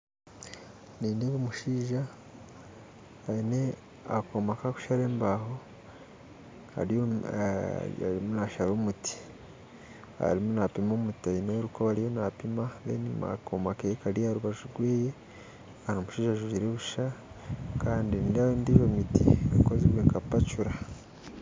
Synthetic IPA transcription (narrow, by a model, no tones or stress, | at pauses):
niːneβomuʃiːʒa | aine | akomakaku̥ʃaɾeːmbaho | ha̰ɾo̰ | a̰ɾimunaʃaɾoːmutʰi̥ | a̰ɾimunapimomutiaineoɾukoβaɾijo̞napimaβenima̰komakeekaɾijaɾuβaʒuɾɡweːje | hanomuʃiːʒaʒuʒiɾeβuʃa | kaːndinidaβendiʒomitiakozeβweːŋkapat͡ʃuɾa